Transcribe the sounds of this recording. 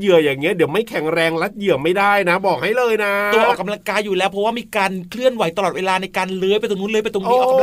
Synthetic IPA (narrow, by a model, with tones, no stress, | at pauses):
jɯ˨˩əjaː˨˩ŋːi˦˥ɐdi˨˩˦əwma˥˩jkʰɛ˩˦ŋɾɛː˧ŋla˦˥t̪̚jɯ˨˩əma˥˩jdaː˥˩jna˦˥bɔː˨˩k̚ha˥˩jlɤː˧jna˦˥u˧əʔɔː˨˩ka˧la˧ŋkaː˧juː˨˩lɛː˦˥wpʰɔ˦˥waː˥˩miː˧kaː˧nkʰlɯ˥˩ənwa˨˩˦jt̪a˧lɔː˨˩weː˧laː˧na˧jkaː˧nlɤː˦˥jpa˧nt̪o˧nu˦˥nlɤː˦˥pnt̪o˧u˦˥˧ʔɔ˨˩k